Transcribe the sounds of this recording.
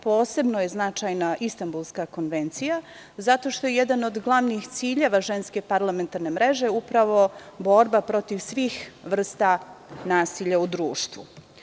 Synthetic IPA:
poːse̞bnoje̞znat͡ʃajnaʔist̪ambulˠskako̞nʋe̞nt̪sija | zat̪o̞ʃt̪ojejed̪ano̞d̪ɡlˠaʋnixt̪siːʎe̞ʋaʒe̞nske̞paɾlˠame̞nt̪aɾnemɾe̞ʒe̞upɾaʋo̞bo̞ɾbapɾo̞t̪iʋsʋiːxʋr̩st̪anaːsiʎaud̪ɾuːʃt̪ʋṵ

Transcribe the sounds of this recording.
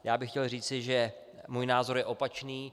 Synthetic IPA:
jaːbɪxcɛlriːt͡sɪʒɛ | muːjnaːzo̞ɾjɛʔo̞pat͡ʃniː

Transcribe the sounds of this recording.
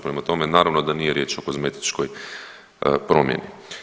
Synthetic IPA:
pɾemat̪o̞menaːɾaʋnod̪anijeɾjeːt͡ʃo̞kozmet̪i̥t͡ʃkoj | pɾo̞mjḛni

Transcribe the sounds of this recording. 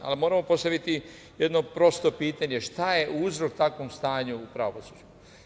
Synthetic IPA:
a̰limo̞ɾamo̞po̞st̪aʋit̪i | jed̪no̞pɾo̞st̪o̞piːt̪aɲe̞ʃt̪aje̞ʔuːzɾo̞k̚t̪akʋo̞mst̪aːɲuːpɾaʋosuːd͡ʒu

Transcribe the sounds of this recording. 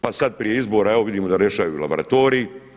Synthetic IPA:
pasad̪̚pɾije̞izbo̞ːɾaeʋo̞ʋid̪iːmo̞d̪aɾjeʃajula̰boɾa̰t̪o̞ːɾiː

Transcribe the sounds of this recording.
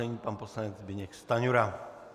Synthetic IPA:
ɛɲiːpanposlaɲɛd͡zbɪɲɛkst̪aɲuɾa

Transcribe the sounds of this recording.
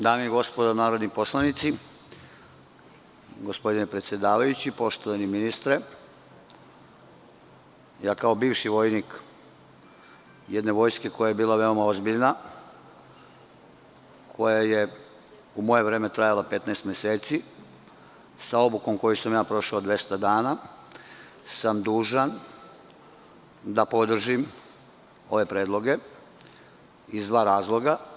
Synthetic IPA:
d̪aːmiiɡo̞spo̞d̪anaːɾod̪nipo̞slˠanit̪si | ɡo̞spo̞d̪inepɾe̞t̪sje̞d̪aːʋajut͡ɕipo̞ʃt̪oʋaniminist̪ɾe̞ | jaːkaobiːʋʃiʋo̞jnik | jed̪neʋo̞ːjskeko̞jajebiːlaʋe̞o̞mao̞zbiʎna | kʰo̞jaje̞ | umo̞je̞ʋɾe̞ːmet̪ɾajalape̞t̪naest̪mjeseːt̪si | sao̞buko̞mko̞jusamjaːpɾo̞ʃaod̪ʋjest̪ad̪aːna | samd̪uːʒan | d̪apo̞d̪r̩ʒim | o̞ʋe̞pɾeːd̪lˠo̞ɡe̞ | izd̪ʋaːɾaːzlˠo̞ɡa

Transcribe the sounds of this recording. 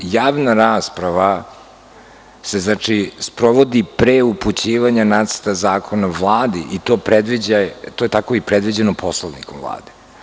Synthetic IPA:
jaːʋnaɾaːspɾaʋa | se̞znat͡ʂispɾoʋod̪ipɾeuput͡ɕiːʋaɲanat̪st̪azaːkʰo̞navlˠaːd̪iʔit̪opɾed̪ʋid͡ʑajt̪ojet̪ako̞ipɾɛd̪ʋid͡ʑenopʰoslˠoʋnḭkomvlˠa̰ːd̪e̥

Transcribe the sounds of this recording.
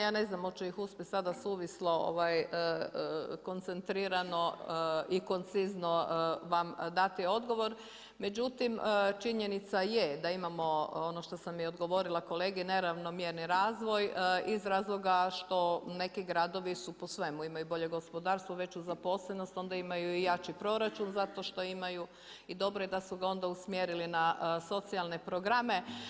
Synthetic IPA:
jaːne̞znamot͡ʃejixuspʲjesad̪asuːʋislo̞o̰ʋajə | ko̞nt̪sent̪ɾiɾano̞iko̞nt̪sizno̞ʋamd̪at̪io̞d̪ɡo̞ʋo̞ɾ | me̞d͡ʑut̪imt͡ʃiɲenit̪sajed̪aimamo̞onoʃt̪o̞samiod̪ɡo̞ʋo̞ɾilˠako̞leːɡɛne̞ɾaʋno̞mjeɾniɾaːzʋo̞jizɾaːzlˠo̞ɡaʃt̪o̞ne̞kiɡɾad̪o̞ʋisuposʋe̞muimajubo̞ʎe̞ɡo̞spo̞d̪aːɾst̪ʋoʋe̞t͡ɕuzapo̞sleno̞st̪o̞nd̪aimajuijat͡ʃipɾo̞ɾat͡ʃunzat̪o̞ʃt̪o̞imaju | id̪o̞bɾojed̪asuɡao̞nd̪ausmjeɾilinaso̞t̪sialˠne̞pɾoɡɾame̞

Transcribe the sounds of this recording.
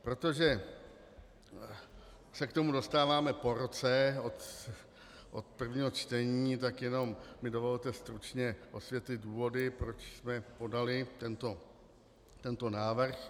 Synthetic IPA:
pɾo̞t̪o̞ʒɛ | sɛkt̪omudo̞st̪aːvaːmɛpo̞ɾo̞t͡sɛot̪ | ʔot̪pr̩vɲiːɦo̞t͡ʃt̪ɛɲiːt̪̬akjɛno̞mmɪdo̞vo̞lt̪ɛst̪ɾut͡ʃɲɛʔosvjɛt̪lɪduːvo̞dɪpɾo̞t͡ʃsmɛpo̞dalɪt̪ɛnt̪o̞ | t̪ɛnt̪o̞naːvrx

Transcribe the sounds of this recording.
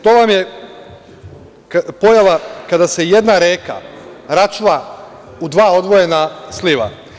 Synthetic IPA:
t̪o̞ːʋamje | po̞jaʋakad̪ase̞je̞d̪naɾeːka̰ | ɾat͡ʃuʋa | ud̪ʋaːo̞d̪ʋo̞je̞nasliʋa̰

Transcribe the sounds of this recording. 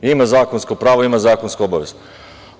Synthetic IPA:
imazaːkonskopɾaːʋoimazaːkonskobaʋe̞z

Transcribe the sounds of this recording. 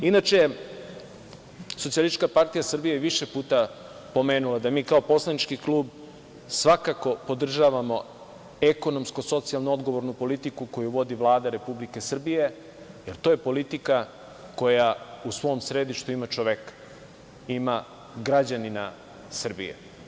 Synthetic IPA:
inat͡ʃeje | sosialist͡ʃkapaɾt̪ijasr̩bijeʋiʃepuːt̪a | po̞me̞ːnulˠad̪amiːkao̞po̞slˠanit͡ʃkikluːb | sʋakako̞po̞d̪r̩ʒaːʋamo̞ | eko̞no̞msko̞so̞t̪sijalˠnuo̞d̪ɡo̞ʋo̞ɾnupo̞lit̪ikuko̞juʋo̞d̪iʋlˠaːd̪aɾe̞publike̞sr̩bije̞ | jeɾt̪ojepo̞lit̪ika | ko̞jausʋo̞msɾe̞d̪iʃt̪uimat͡ʃoʋekḁ | ima | ɡɾad͡ʑanina̰ | sr̩bḭjḛ

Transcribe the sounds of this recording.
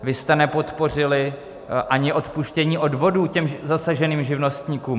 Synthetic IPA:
vɪst̪ɛnɛpo̞t̪po̞r̝ɪlɪ | ʔaɲɪʔo̞t̪puʃcɛɲiːʔo̞dvo̞duːcɛmzasaʒɛniːmʒɪvno̞st̪ɲiːkuːm

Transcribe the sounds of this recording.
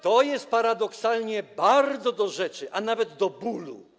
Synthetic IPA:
t̪ɔjɛst̪̚paɾad̪ɔksalɲɛbaɾd̪zɔd̪ɔʐɛt͡ʂɘʔanavɛd̪d̪ɔbulṵ

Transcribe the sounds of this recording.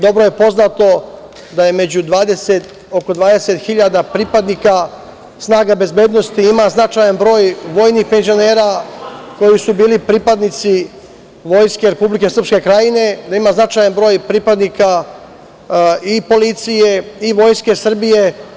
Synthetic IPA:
d̪o̞bɾo̞je̞po̞znat̪o̞ | d̪aje̞me̞d͡ʑud̪ʋaːd̪e̞set̪ | o̞ko̞d̪ʋaːd̪e̞set̪xiʎad̪apɾipad̪nika | snaːɡabe̞zbe̞ːd̪no̞st̪iimaznat͡ʃaːjanbɾo̞ːjʋo̞ːjnixpe̞nzio̞neːɾako̞jisubiːlipɾiːpad̪nit̪si | ʋo̞ːjske̞ɾe̞publike̞sr̩pske̞kɾajine̞d̪aimaznat͡ʃajanbɾo̞ːjpɾipad̪nika | ipo̞lit̪sije̞iʋo̞ːjske̞sr̩bije

